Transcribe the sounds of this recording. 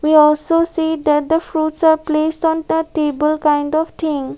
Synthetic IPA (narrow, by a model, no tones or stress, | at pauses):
ʋiːɔːlsoːsiːd̪ɛʈ̚d̪əfɾuːʈsaːɾpleːsʈɔ̃ːnd̪əʈeːbəlkãɪ̃ɳɖɔʋt̪ʰɪ̃ŋ